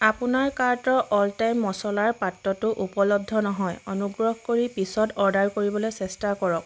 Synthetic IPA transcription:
apʊnaɹkaɹtɔʔɔltajmːɔsɔlaɹpatːɔtʊʔupɔlɔb̚dʱɔnɔɦɔjɔnuɡɹɔɦkoɹipisɔtɔɹdaɹkoɹibɔlojsɛstakɔɹɔk̚

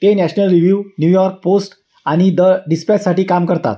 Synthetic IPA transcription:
t̪enæɕnəlɾiʋjuʋnjujɔɾk̚posʈ | aɽ̃id̪əɖispɛssaʈiːkamkəɾt̪a̰t̪

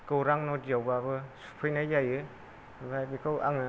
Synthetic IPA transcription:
kɯwɾaŋnɔdijawbabɯsu̥pʰɯjnajajɯ | bajbikʰɯwʔa̰ŋɯ

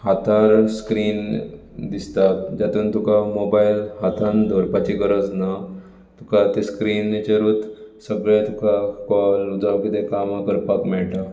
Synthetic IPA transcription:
hat̪ʰaɾskɾiːn | d̪ist̪at̪̚d͡ʑat̪uːnt̪ukamobajlhat̪ʰãnd̪ʱɔɾpat͡ɕiɡəɾəd͡zna | t̪ukat̪eskɾiːnːet͡ɕeɾut̪səɡɭẽt̪ukakalud͡zawkit̪ekaməkəɾpakmɛɭʈa

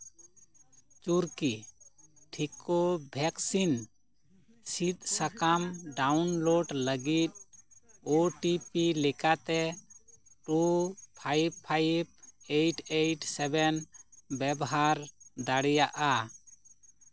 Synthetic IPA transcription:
t͡ʃuɾki | ʈʰikobʱɛksin | sit̪̚sakamɖawnloɖləɡit̪̚ | oʈipilɛkat̪ɛ | ʈupʰajpʰːajp̚ejʈʰejʈsɛbɛnbɛbɔɦaɾd̪aɽɛjaʔa

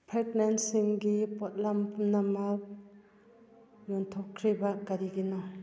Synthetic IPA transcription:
pʰetnansiŋɡipɔt̚lampʰumnamak̚ | jɔntʰɔkʰːɾibakaɾiɡinɔ

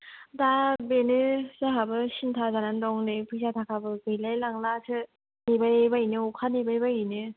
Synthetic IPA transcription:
dabenɯzaɦabɯɕintʰazanandɔŋnɯpʰɯsat̪ʰakʰabɯɡɯjlalaŋlasʰɯ | nebajbainɯokʰanebajbainɯ

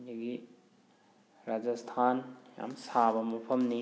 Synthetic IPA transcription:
nɐɡi | ɾad͡ʒast̪ʰaːnja̰msaːbɐmupʰɐmni

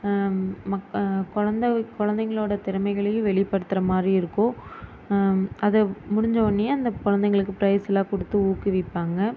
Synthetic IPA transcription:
mɐkɔɻɐnd̪ɐkɔɻɐnd̪ɐŋɡɐɭoːɽɐt̪ɪɾɐmɐɪɣɐɭɐjɯ̃ʋɛɭɪpːɐɽɯt̪ːɯɾɐmaːd̪ɾiɪɾɯkːõ | ɐðɛmʊɽɪɲd͡ʒɐʋɐnːieɐnd̪ɐkɔɻɐnd̪ɐŋɡɐɭɯkːɯpɪɾɐjsɐlaːkɔɽɯt̪ːɯuːkːɯʋɪpːaːŋɡɐ

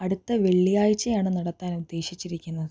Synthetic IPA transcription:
ɐɽut̪ːɐʋe̞ɭːijaːjit͡ɕːɐjaːɳɨnɐɽɐt̪ːaːnud̪ːe̞ːɕit͡ɕːiɾikʲːunːɐðɨ

